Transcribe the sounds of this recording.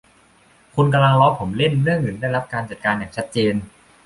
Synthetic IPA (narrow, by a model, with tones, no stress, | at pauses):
kʰu˧nk̬a˧la˧ŋlɔː˦˥pʰo˩˦mle˥˩nɾɯ˥˩əŋːɯ˩˦da˥˩jɾa˦˥p̚kaː˧nt͡ɕa˨˩t̪̚kaː˧njaː˨˩ŋt͡ɕʰa˦˥t̪̚t͡ɕeː˧n